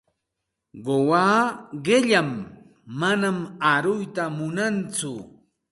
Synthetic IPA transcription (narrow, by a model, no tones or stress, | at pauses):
ɢowaːɢɪʎamː | anamaɾʊjt̪amʊnant͡sʊ